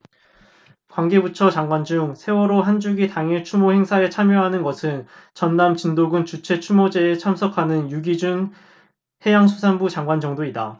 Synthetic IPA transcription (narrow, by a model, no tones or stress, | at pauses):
kwaŋɡe̞but͡ɕʰʌt͡ɕaŋɡwand͡ʑuŋsʰe̞wʌɾoɦand͡ʑuɡitaŋiɭt͡ɕʰumohe̞ŋsʰaet͡ɕʰamjoɦanɯnɡʌsʰɯnt͡ɕʌnːamt͡ɕindoɡɯnt͡ɕut͡ɕʰe̞t͡ɕʰumod͡ʑe̞ːt͡ɕʰamsʰʌkʰanɯnjuɡid͡ʑun | he̞jaŋsʰusʰanbut͡ɕaŋɡwand͡ʑʌŋdoida